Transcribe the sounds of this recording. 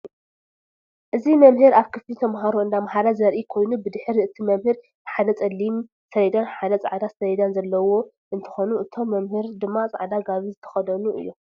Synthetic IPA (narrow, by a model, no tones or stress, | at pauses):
ʔɨzimɐmhɨɾaβkʰɨflit̪ʰɐmɦaɾoɨnd̪amɦaɾazɐɾʔikʰo̞jnubɨd̪ɨħɾiʔɨt̪ʰimɐmhɨɾ | dħad̪ɐt͡sʼɐlːim | sɐɐd̪anħad̪ɐt͡sʼa̰ʕd̪asɐjɛd̪anzɐlːɐwo̞ | ʔɨnt̪ʰɨ̥xonuʔɨt̪ʰo̞mːɐmhɨɾd̪ɨmːat͡sʼa̰ʕd̪aɡaβizɨt̪ʰɐ̥xɐd̪ɐnuʔɨ̰jːo